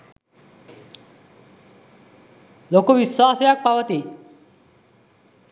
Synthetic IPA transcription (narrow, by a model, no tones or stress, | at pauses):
lokoʋiswasejak̚paʋət̪i